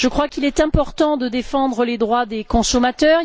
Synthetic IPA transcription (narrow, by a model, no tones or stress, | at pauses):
ʒ̥əkχwakilɛt̪ɛ̃pɔʁt̪ɑ̃d̪əd̪efɑ̃d̪ʁəled̪ʁwad̪ekɔ̃sɔmat̪œʁ